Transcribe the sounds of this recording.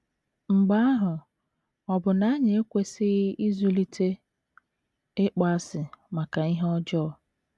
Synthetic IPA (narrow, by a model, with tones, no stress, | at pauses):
ŋ͡m̩˨ɡ͡ba˦a˦ɦʊ˨ | ɔ˨bʊ˨na˨˦ɲe˨e˦kʷe˦sɪ˦ɣɪ˦ʔi˦zu˦li˦tʰe˦ | ɪ˦k͡pa˦a˦sɪ˨ma˨ka˨i˦ɦɔ˦d͡ʒɔ˦˨